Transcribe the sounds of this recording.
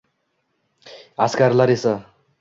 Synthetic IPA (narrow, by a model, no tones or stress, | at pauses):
askarlʌɾesʌ